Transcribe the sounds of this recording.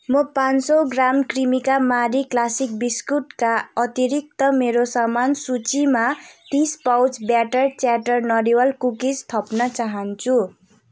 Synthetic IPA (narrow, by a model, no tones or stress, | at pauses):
mʌpãnsʌɡramkrimikamaɾiklasik̚biskuʈkaʌt̪iɾik̚t̪ʌmeɾosʌmansut͡simat̪ispawt͡sbjaʈʌrt͡saʈʌrnʌɾiwʌlkukid͡zt̪ʰʌpnʌt͡saɦʌnt͡sʰu